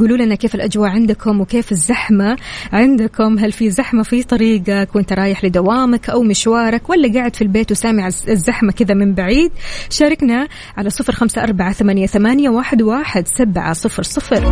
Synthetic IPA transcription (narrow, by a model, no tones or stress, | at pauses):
ɡuːluːlʔɪnːakeːfɪlʔad͡ʒwaːʔʕɪnd̪ʊkʰʊmwɪkeːfɪzːaħmaʕɪnd̪akʊmɦalfizaħmafit̪ˤɑɾiːɡɑkwʔɪnt̪aɾˤɑːjɪħlɪd̪awaːmakʔawmɪʃwɑːɾˤɑkwalːaɡaːʕɪd̪filbeːt̪wɪsaːmɪʕaɪzːaħmakɪðamɪmbaʕiːd̪ʃaːɾˤɑkna | ʕalasˤɨfɾxamsaʔɑɾˤbaʕaθamaːnjaθamaːnjawaːħɪd̪waːħɪd̪sabʕa̰sˤɨfɾsˤɨfɾ